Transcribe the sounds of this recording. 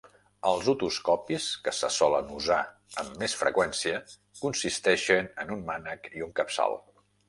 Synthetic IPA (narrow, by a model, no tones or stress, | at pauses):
əlˠzut̪uskɔpiskəsəsɔlənuza | əmːesfɾə̰kwɛnsiə | kunsist̪ɛʃənənummanəkiuŋkəpsa̰lˠ